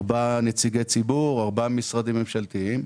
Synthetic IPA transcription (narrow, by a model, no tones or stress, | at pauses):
banet͡siɡe̞jt͡sibuʁaʁbamisʁad̪ime̞mʃalt̪iim